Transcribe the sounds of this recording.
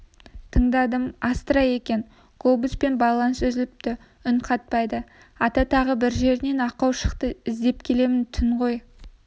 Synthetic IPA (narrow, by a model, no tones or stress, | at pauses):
t̪ʰəɴd̪ɑd̪əmɑst̪əɾɑje̞kʲe̞n | ɡ̥obuspe̞nbɑlˠɑnəsɵzɪlɪp̚t̪ɪ | ʏɴqʰɑt̪̚pɑjd̪ə | ɑt̪ɑt̪ʰɑʁəbɪɾʒe̞ɾɪne̞nɑqɑwʃəqt̪əɪzd̪e̞pkʲʰe̞le̞mɪnt̪ʰʏnʁo̞j